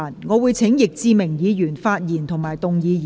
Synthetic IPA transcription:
nŋɔː˨˧wuː˨˧jt͡sʰɪ˨˥ŋjɪ˨k̚t͡siː˧mɪ˨˩ŋjiː˨˧jyː˨˩nfaː˧t̚jiː˨˩nt̪ʰʊ˨˩ŋmaː˨jt̪ʊ˨ŋjiː˨˧˨

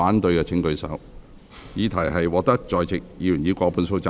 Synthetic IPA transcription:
aː˨˥nt̪ɵ˧ɥkɛː˧t͡sʰɪ˨˥ŋkɵ˧ɥsɐ̰˨˥w | jiː˨˧t̪ʰɐ˨˩jɦɐ˨jwɔː˨˩k̚t̪ɐ˥k̚t͡ʃɔː˨jt͡sɪ˨k̚jiː˨˧jy˨˩njiː˨˧kʷɔː˧pʰuː˨˧nso˧wt͡saː˧

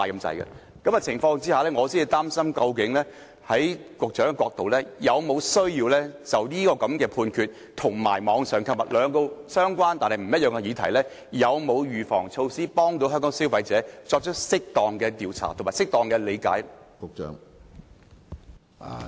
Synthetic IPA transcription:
aː˨jkɐ˧mt͡sɐ̰˨˧jkɐ̰˧ | kɐ˨˥mɐ˧t͡sʰɪ˨˩ŋfɔː˧ŋt͡siː˥haː˨˧lɛː˥ŋɔː˨˧siː˥ni˧t̪aː˥msɐ˥mkɐ˧wkɪ˨˥ŋlɛː˥ | hɐ˨˥jkʷʊ˨k̚t͡ʃœː˨˥ŋkɛ˧kɔː˧k̚t̪o˨wlɛː˥jɐ˨˧wmo˨˧wsɵ˥ɥjiː˧wlɛː˥t͡sɐ˨wniː˥kɔː˧kɐ˨˥mkɛː˧pʰuː˧nkʰyː˧t̚ | t̪ʰʊ˨˩ŋma̰ː˨˩jmɔː˨˧˥ŋsœː˨ŋkʰɐ˨˧p̚mɐ̰˨t̚lœː˨˧ŋko˧wsœː˥ŋkʷaː˥nt̪aː˨nhɐ˨jm̩˨˩jɐ˥t̚jœː˨ŋɛ˧jiː˨˧t̪ʰɐ˨˩jlɛː˥ | jɐ˨˧wmo˨˧wjyː˨˩fɔ̰ː˨˩ŋt͡ʃʰo˧wsiː˥pɔː˥ŋt̪o˨˥wɦœː˥ŋkɔː˨˥ŋsiː˨˥wfɐ˨˧jt͡sɛː˨˥t͡sɔː˧k̚t͡ʃʰɵ˥k̚sɪ˥k̚t̪ɔː˨ŋkɛː˧t̪iː˨wt͡sʰa̰ː˨˩t̪ʰo˨˩maː˨jsɪ˥k̚t̪ɔː˨ŋkɛː˧le˨˧jka̰ː˨˥jkʊ˨k̚t͡ʃœ̰ː˨˥ŋ˨

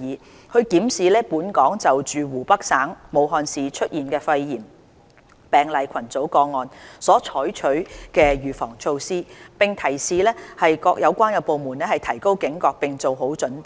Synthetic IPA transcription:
iː˨˩ | kʰɵ˨˧ɥkiː˨˥msiː˨˧lɛː˥puː˨˥nkɔː˨˥ŋt͡sɐ˨wt͡ʃyː˨˩wuː˨˩pɐ˥k̚saː˨˥ŋmo˨˧wɦɔː˧nsiː˨t͡ʃʰɵ˥t̚jiː˨˩nkɛː˧fɐ˧jjiː˨˩m | pɛː˨˩ŋlɐ˨jkʰɐ˨˩nt͡so˨˥wkɔː˧ŋːɔː˨nsɔː˨˥t͡ʃʰɔː˨˥jt͡ʃʰɵ˨˥ɥkɛː˧ɥyː˨fɔ̰ː˨˩ŋt͡ʃʰo˧wsiː˥pɪ˨ŋt̪ʰɐ˨˩jsiː˨lɛː˥hɐ˨jkɔː˧k̚jʔɐ˨˧wkʷaː˥njɐ˨˧wpo˨˧wmuː˨˩nɛː˥hɐ˨jt̪ʰɐ˨˩jko˥wkɪ˨˥ŋkɔː˧k̚pɪ˨ŋt͡so˨wɦo˨˥wt͡ʃɵ˨˥np

